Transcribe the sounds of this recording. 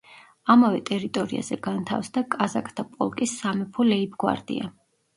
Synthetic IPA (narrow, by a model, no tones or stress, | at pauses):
amavɛt̪ʼɛɾit̪ʼɔɾia̰zɛɡant̪ʰa̰fsd̪akʼazakʰʼt̪ʰapʼɔ̰lˠkʼisːamɛpʰɔlɛibʰɡwa̰ɾd̪ḭa̰